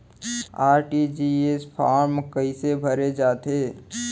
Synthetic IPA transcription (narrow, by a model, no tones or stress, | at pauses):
aːɾʈid͡ʒiespʰaːɾmkəisebʱəɾed͡ʒaːt̪eː